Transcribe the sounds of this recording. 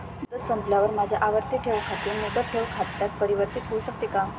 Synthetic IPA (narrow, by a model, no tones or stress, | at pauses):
d̪əsəmplaʋəɾmad͡ʑʱjaʔaʋəɾt̪iʈʰeʋkʰat̪imuʈ̪əʈʰeʋkʰat̪ːjat̪̚pəɾiʋəɾt̪it̪ʰeuːɕək̚t̪eka